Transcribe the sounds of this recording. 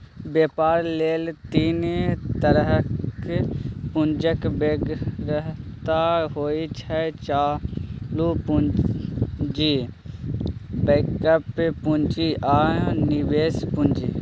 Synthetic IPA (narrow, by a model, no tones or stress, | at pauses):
beːpaːɾleːlt̪iːnt̪əɾɦək | pʊnd͡ʒəkbeːɡɾəɦt̪aɦoːit͡ʃʰɛt͡ʃaːlupu | d͡ʒi | beːkəppʊ̃nd͡ʒiʔãːniʋeːspʊnd͡ʒiː